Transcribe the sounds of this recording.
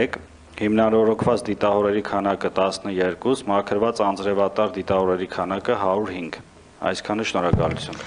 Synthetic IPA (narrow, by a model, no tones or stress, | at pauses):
ɛk | himnɑnɔɾɔkʰvɑt͡sd̪it̪ɑhɔɾɛɾikʰɑnɑkət̪ɑsnəjɛɾkusmɑkʰəɾvɑt͡sɑnt͡sɾɛvɑt̪ɑɾd̪it̪ɑhɔɾɛɾikʰɑnɑkəɦɑɾuɾhiŋɡ | ɑ̰jskʰɑnəʃnɔɾɑkɑ̰lut͡sʰjun